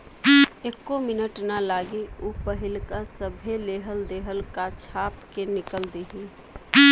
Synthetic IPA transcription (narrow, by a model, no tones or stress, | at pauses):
ekːomɪnəʈnalaːɡiupəɦɪlkasəbʱeleːɦəld̪eːɦəlkat͡ʃʰaːpkenɪkəld̪iɦi